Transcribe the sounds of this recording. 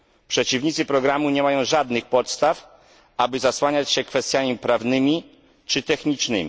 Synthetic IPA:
pʂɛt͡ɕivɲit̪sɘpɾɔɡɾamuɲɛmajɔ̃w̃ʐad̪nɘxpɔt̪st̪af | abɘzaswaɲat͡ɕɕɛkfɛst̪ʲjamʲipɾavnɘmʲi | t͡ʂɘt̪ɛxɲit͡ʂnɘ̰mʲi

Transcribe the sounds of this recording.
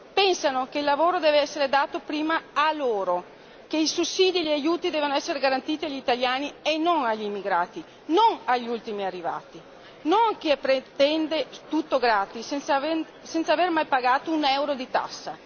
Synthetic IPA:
pɛnsanokeilːavoːɾod̪ɛːveɛsːeɾed̪aːt̪opɾiːmaaloːɾo | keisusːiːd̪ielajuːt̪id̪ɛːvanoɛsːeɾeɡaɾant̪iːt̪iaʎit̪aljaːnienoŋaʎimːiɡɾaːt̪i | noŋaʎːult̪imiarːiva̰ːt̪i | noŋk̟epɾet̪ɛnd̪et̪ut̪ːoɡɾaːt̪is | sɛnt̪savermajpaɡaːt̪ounɛwɾod̪it̪a̰sːa̰

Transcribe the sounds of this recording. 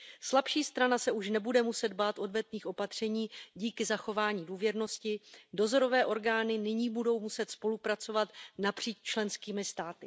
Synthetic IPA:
slapʃiːst̪ɾanasɛuʃnɛbudɛmusɛd̪baːt̪ʔo̞dvɛt̪niːxʔo̞pat̪r̝̥ɛɲiːɟiːkɪzaxo̞vaːɲiːduːvjɛɾno̞scɪdo̞zo̞ɾo̞vɛːʔo̞ɾɡaːnɪnɪɲiːbudo̞wmusɛt̪spo̞lupɾat͡so̞vat̪napr̝̥iːt͡ʃt͡ʃlɛnskiːmɪst̪aːt̪ɪ

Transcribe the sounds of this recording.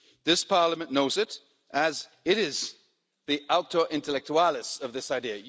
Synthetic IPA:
ðɪspʰɑɹləmɨ̃nːoʊzɨɾ | ʔɨz | ɪɾɪz | ðiʔal̚ˠtəʔɪ̃ntəlɛk̚t͡ʃuælˠɨsʌvðɪsaɪdiɨ

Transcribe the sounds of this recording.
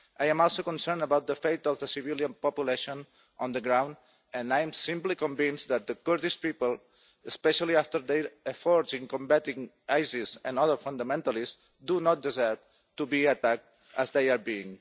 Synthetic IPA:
ʔajɛ̃mɔlˠsokɔ̃nsɛɹnd̪əbawt̪̚d̪əfejt̪ɔfðəsiviljãnpɔpjuleʃõn | ɔ̃nd̪əɡɾãw̃nd̪ | ə̃naj̃msĩmplikɔ̃ɱvĩnsd̪at̪̚d̪əkəɾt̪iʃpipəlˠ | əspɛʃaliaft̪əɾðejəfɔɹd͡ʒĩŋkɔ̃mbat̪ĩŋ | ajzizɛ̃nɔðəɹfãnd̪əmɛ̃nt̪alˠis | d̪unɔt̪̚d̪izɜɹv | t̪ubiat̪ak̚t̪ | əzðejaɾbiĩŋ

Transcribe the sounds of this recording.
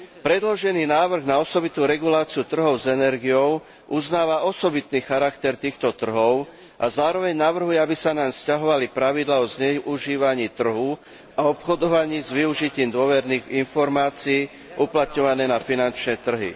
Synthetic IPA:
pɾɛd̪lɔʒɛniːnaːʋr̩ɣnaɔsɔbit̪uːɾɛɡulaːt͡siut̪r̩ɦɔʊzɛnɛɾɡijɔʊ | ʔuznaːʋaɔsɔbit̪niːxaɾakt̪ɛɾt̪iːxt̪ɔt̪r̩ɦɔʊ | ʔazaːɾɔʋɛɲnaʋr̩ɦujɛabisanamscaɦɔʋalipɾaʋid̪laːɔzɲɛuʒiːʋaɲiːt̪r̩ɦu | aɔpxɔd̪ɔʋaɲiːzʋiuʒiciːmd̪ʊɔʋɛɾniːɣinfɔɾmaːt͡siː | ʔuplat̪ɲɔʋanɛːnafinant͡ʃnɛːt̪r̩ɦḭ

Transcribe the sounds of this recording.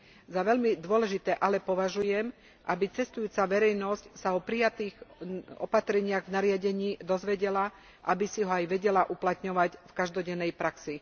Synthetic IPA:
zaʋɛʎmid̪ʊɔlɛʒit̪ɛːʔalɛpɔʋaʒujɛm | ʔabit͡sɛst̪ujuːt͡saʋɛɾɛjnɔscsaɔpɾijat̪iːɣɔ̰pat̪ɾɛɲɪaɣvnaɾɪaɟɛɲiːd̪ɔzʋɛɟɛla | ʔabisiɦɔajʋɛɟɛlaʔuplat̪ɲɔʋaɟfkaʒd̪ɔɟɛnːɛjpɾaksi

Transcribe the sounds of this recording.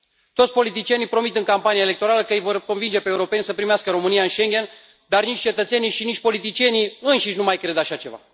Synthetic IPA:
t̪ot̪sʲpo̞lit̪̬it͡ʃije̞nijpɾo̞mit̪ɨŋkampanijaele̞k̚t̪o̞ɾaləkəɨjvo̞rko̞nvind͡ʒe̞peeuɾo̞pe̞nʲsəpɾimeaskəɾo̞mɨnijaɨnʃe̞ŋɡʲe̞n | d̪arnit͡ʃʲt͡ʃe̞t̪ət̪se̞niʃiniʃ̚ʲpo̞lit̪̬it͡ʃije̞niɨnʃiʃʲnumajkɾe̞d̪aʃat͡ʃe̞̰va̰

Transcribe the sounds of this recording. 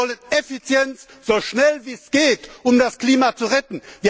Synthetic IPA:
ɔlənefit͡sjɛnt͡s | z̥oːʃnɛlviːsɡ̥eːtʔʊmdaskl̥iːmat͡suʁɛtn̩viː

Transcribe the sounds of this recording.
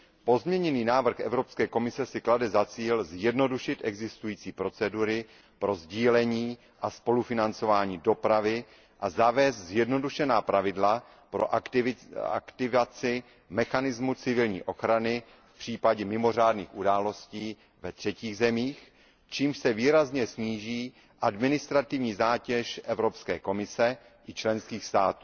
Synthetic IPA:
po̞zmɲɛɲɛniːnaːvr̩xʔɛvɾo̞pskɛːko̞mɪsɛsɪkladɛzat͡siːlzjɛdno̞duʃɪt̪ʔɛɡzɪst̪ujiːt͡siːpɾo̞t͡sɛduɾɪ | pɾo̞zɟiːlɛɲiː | ʔaspo̞lufɪnant͡so̞vaːɲiːdo̞pɾavɪ | ʔazavɛːst̪zjɛdno̞duʃɛnaːpɾʔavɪdla | pɾo̰ʔɪa̰kt̪ɪvat͡sɪ | mɛxanɪzmut͡sɪvɪlɲḭːʔo̞xɾanɪ | fpr̝̥iːpaɟɛmɪmo̞r̝aːdnḭːxudaːlo̞sciː | vɛt̪r̝̥ɛciːɣzɛmiːx | t͡ʃiːmʃsɛviːɾazɲɛsɲiːʒiː | ʔadmɪnɪst̪ɾat̪ɪvɲiːzaːcɛʃʔɛvɾo̞pskɛːko̞mɪsɛ | ʔɪt͡ʃlɛnskiːxst̪aːt̪uː

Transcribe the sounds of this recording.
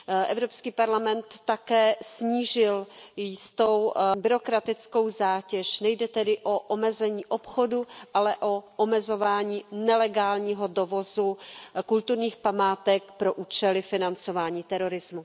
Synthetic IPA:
ʔɛvɾo̞pskiːpaɾlamɛnt̪ːakɛːsɲiːʒɪljɪst̪owbɪɾo̞kɾat̪ɪt͡sko̞wzaːcɛʃnɛjdɛt̪ɛdɪʔo̞ʔomɛzɛɲiːʔopxo̞duʔalɛʔo̞ʔomɛzo̞vaːɲiːnɛlɛɡaːlɲiːɦo̞do̞vo̞zukult̪uɾɲiːxpamaːt̪ɛk̚pɾo̞ʔuːt͡ʃɛlɪfɪnant͡so̞vaːɲiːt̪ɛɾo̞ɾɪzmu

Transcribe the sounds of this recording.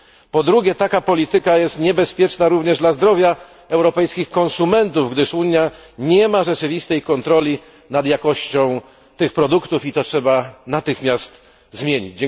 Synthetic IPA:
pɔd̪ɾuɡʲjɛt̪akapɔlʲit̪ɘkajɛst̪ɲɛbɛspʲjɛt͡ʂnaɾuvɲɛʐd̪lazd̪ɾɔvʲja | ɛwɾɔpɛjskʲixkɔ̃nsumɛnt̪uvɡd̪ɘʂuɲjaɲɛmaʐɛt͡ʂɘvʲist̪ɛjkɔnt̪ɾɔlʲi | nad̪jakɔɕt͡ɕɔ̃w̃ | t̪ɘxpɾɔd̪ukt̪ufit̪sɔtʂɛbanat̪ɘxmʲjast̪ | zmʲjeɲḭd͡ʑd͡ʑɛ

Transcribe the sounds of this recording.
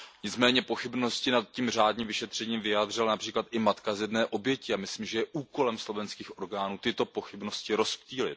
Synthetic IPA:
ɲɪt͡smɛːɲɛpo̞xɪbno̞scɪnat̪̚cimr̝aːdɲiːmvɪʃɛt̪r̝̥ɛɲiːmvɪjaːd̪r̝ɪlanapr̝̥iːklat̪ʔɪmat̪kazjɛdnɛːʔo̞bjɛcɪamɪsliːmʒɛjɛʔuːko̞lɛmslo̞vɛnskiːxʔo̞ɾɡaːnuːt̪ɪt̪o̞po̞xɪbno̞scɪɾo̞spciːlɪt̪

